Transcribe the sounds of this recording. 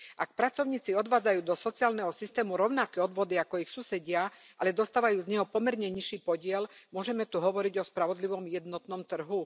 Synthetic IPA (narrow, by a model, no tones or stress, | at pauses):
ʔak̚pɾat͡sɔʊɲiːt͡siɔd̪ʋaːd͡zajuːd̪ɔsɔt͡siaːlnɛɦɔsist̪ɛːmuɾɔʊnakɛːɔd̪ʋɔd̪iakɔixsuːsɛɟɪa | ʔalɛd̪ɔst̪aːʋajuːzɲɛɦɔpɔmɛɾɲɛɲiʃiːpɔɟɪɛlmʊɔʒɛmɛt̪uɦɔʋɔɾiɟɔspɾaʋɔd̪liʋɔmjɛd̪nɔt̪nɔmt̪r̩ɦu